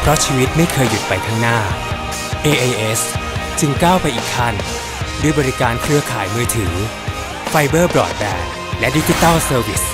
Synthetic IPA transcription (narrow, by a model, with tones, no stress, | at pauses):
pʰɾɔ˦˥t͡ɕʰiː˧wi˦˥t̪̚ma˥˩jkʰɤː˧jːu˨˦t̪̚pa˧jt̪ʰa˦˥ŋnaː˥˩ | ʔeː˧ʔe˧ʔe˦˥st͡ɕɯ˧ŋkaː˥˩wpa˧jʔiː˨˩k̚t̪ʰa˥˩n | du˧əjbɔː˧ɾi˦˥kaː˧nkʰɾɯ˦˥ɐkʰa̰ː˩˦jmɯː˧t̪ʰɯː˩˦ | fa˧jbɤː˥˩bɾɔː˨˩t̪̚bɛː˧˩n | lɛ˦˥ʔdi˦d͡ʑi˦t̪aː˥˩wsɤː˧wi˨˩s